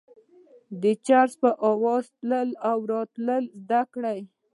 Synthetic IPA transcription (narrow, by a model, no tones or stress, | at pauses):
d̪ət͡ʃaɾspəʔɑwɑzt̪ləlawɾɑt̪ləlzd̪akɽaj